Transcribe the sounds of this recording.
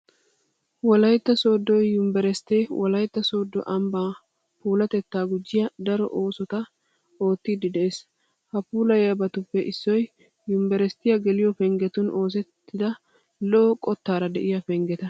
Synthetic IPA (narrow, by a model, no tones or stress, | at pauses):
wɔlɐjt̪ːɐsoːd̪ːɔjːʊmbɛɾɛst̪eːwʔɔlɐjt̪ːɐso̞ːd̪ːɔ̰ʔɐmbaː | puːlɐt̪ɛt̪ːaːɡʊd͡ʒːɪjɐd̪ɐɾɔ̰ʔoːsɔt̪ɐ | o̞ːt̪ːid̪ɪd̪ɛʔeːs | hɐpuːlɐjɐbɐt̪ʊpːɛʔɪsːɔj | jʊmbɛɾɛst̪ːɪjɐɡɛlɪjɔpɛŋɡɛt̪ʊnʔo̞ːs̬ɛt̪ːɪd̪ɐ | lɔʔɔkʼɔt̪ːaːɾɐd̪ɛʔɪjɐpɛŋɡɛt̪ɐ